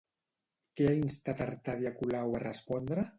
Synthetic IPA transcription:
keainst̪at̪aɾt̪aðiakulawarəspɔnd̪ɾə

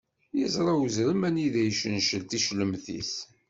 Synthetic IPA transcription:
jəzɾˤɑwəzɾəmæniðæjʃənʃəlt̪iʃləmθḭs

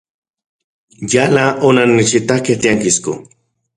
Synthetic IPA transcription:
jalaʔonanɪt͡ʃit̪aket̪ijaŋkɪskʊ̰

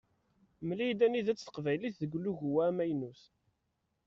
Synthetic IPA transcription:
mlid̪æniðæt͡sːθə̥qvæjliθðəɡʷlːuʝuwæmæjnus

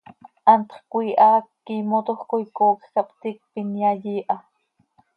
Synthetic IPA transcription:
ʔɑnt̪χkʷiːʔɑːkːimot̪oχkojkoːksɑpt̪iːk̚pinjɑjiːʔɑ

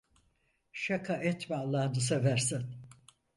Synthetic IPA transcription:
ʃakʰaʔɛt̪mɛalˠːaːd̪ɯs̬evæɾsæn

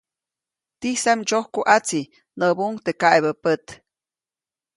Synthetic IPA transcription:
t̪isamt͡ʃohkuʔat͡si | nəbuŋt̪ekaeβəpət̪

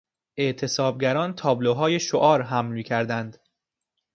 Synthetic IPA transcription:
ʔe̞ʔt̪ʰe̞sɒːb̚ɟæɾɒːnt̪ʰɒːbloɦɒːjeʃoʔɒːɾɦæmlmiːkcʰæɾd̪ænd̪̥

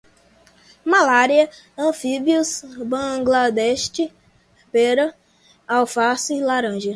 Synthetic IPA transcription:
malaɾiɐ | ɐ̃fibiusbɐ̃ɡlad̪ɛʃt͡ʃɪ | peɾɐ | awfasilaɾɐ̃ʒɐ

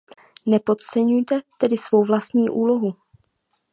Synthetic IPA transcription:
nɛpo̞t̪t͡sɛɲujt̪ɛt̪ɛdɪsvo̞wvlast̪ɲiːʔuːlo̞ɦu

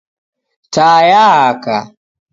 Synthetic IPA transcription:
tajaɦaka

